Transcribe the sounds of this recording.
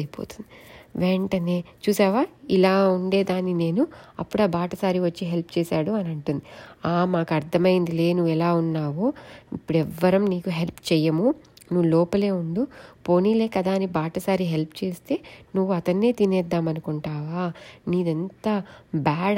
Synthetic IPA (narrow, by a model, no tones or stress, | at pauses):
jpo̰ːt̪u̥nd̪̥iʋeːɳʈɐne̞ːt͡ʃuːsaːʋaːilaːuɳɖe̞ːd̪aːnːine̞ːnuɐ̰pːuɽaːbaːʈɐsaːɾiʋɐt͡ʃːiɦelp̚t͡ʃɛːsaːɽuɐnɐɳʈund̪iaːmaːkɐɾt̪ʰɐmɐjind̪ile̞ːnuʋɛlaːunːaːʋoːipːuɽɛʋːɐɾɐmniːkuɦelpt͡ʃɛjːɐmunuʋːlɔːpɐle̞ːuɳd̪upoːniːleːkɐd̪aːɐnːibaːʈɐsaːɾiɦelpt͡ʃe̞ːst̪e̞ːnuʋːuɐt̪ɐnːe̞ːt̪inɛːd̪ːaːmɐnukuɳʈaːʋaːniːd̪ent̪aːbaːɽ